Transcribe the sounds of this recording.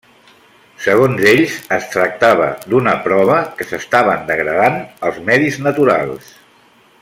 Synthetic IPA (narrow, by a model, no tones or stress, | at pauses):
səɣ̞onzeʎzəst̪ɾək̚t̪aβ̞ə̰d̪unəpɾɔβ̞əkəsəst̪aβ̞ənd̪əɣɾəðanəlˠzmɛðiznət̪uɾa̰lˠs